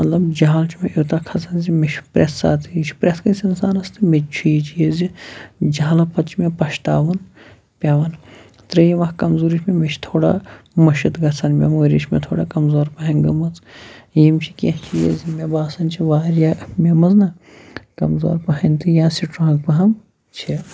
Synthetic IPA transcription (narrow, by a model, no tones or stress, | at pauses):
mɐt̪lɐbd͡ʒaːlt͡ʃʰimeʔoːt̪akʰɐsʰɐnzimeʃʰpɾʔesːa̰ːt̪ʰɨit͡ʃʰi̥pɾʲeskɐnsʲɐnsaːnɐst̪ʰɨmet͡ʃʰujit͡ʃʰijezid͡ʒaːlɐpʰɐt̪t͡ʃʰimepɐʃt̪aːʋɐn | pʲaːʋɐn | t̪ɾɐjiʋɐhkɐmzuːɾit͡ʃʰmemeʃʰt̪ʰoːɽa̰mɐʃit̪ɡɐt͡sɐnmʲḛmoːɾʲiʃʰmḛt̪ʰoːɽaːkɐmzoːɾpɐɦɐnɡɐmɐt͡sjimt͡ʃʰikʲeɦt͡ʃʰijḛzimʲebaːsɐnt͡ʃʰiʋaːɾjamʲemɐznɐ | kɐmzo̰ːɾpɐɦɐnʲt̪ɨjãːsiʈɾãːkpɐɦɐm | t͡ʃʰi